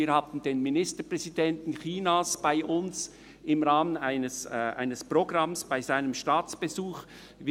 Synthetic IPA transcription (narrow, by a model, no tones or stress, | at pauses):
iːɾhaːbn̩d̥eːnminɪstəpʁ̥ɛzidɛntn̩xiːnasb̥aɪʔʊns | ɪmʁaːmənaɪnəsʔa̰ɪnəspʁoɡʁɑmsb̥aɪzaɪnəmʃtaːt͡sb̥ezuːχ | v